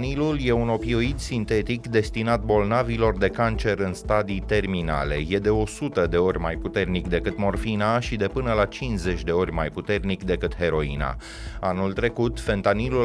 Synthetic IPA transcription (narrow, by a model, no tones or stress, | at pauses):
nilulje̞uno̞pio̞id̪sint̪e̞t̪ikd̪e̞st̪inat̪̚bo̞lnavilo̞rd̪e̞kant͡ʃe̞ɾɨnst̪ad̪ijt̪e̞rmina̰le̞̰je̞d̪e̞o̞sut̪əd̪e̞o̞rʲmajput̪e̞rnikd̪e̞kɨt̪mo̞rfinaʃid̪e̞pɨnəlat͡ʃinze̞t͡ʃʲd̪e̞o̞rʲmajput̪e̞rnikd̪e̞kɨt̪he̞ɾo̞ḭna̰ | anult̪ɾe̞kut̪fe̞nt̪anilu